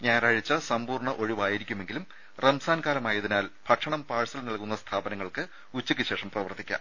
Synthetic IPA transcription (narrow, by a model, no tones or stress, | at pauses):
ɲeːɾaːɻit͡ɕːɐsɐmpuːrɳɐʔo̞ɻiʋaːjiɾikʲːume̞ŋɡilum | rɐmsaːnkaːlɐmaːjɐðinaːlpʰɐʈʂɐɳɐmpaːɻɐsɐlnɐlkun̪ːɐst̪ʰaːbɐnɐŋːɐɭkɨ | ut͡ɕːikʲːɨɕe̞ːʂɐmprɐʋɐrt̪ʰːikʲːa̰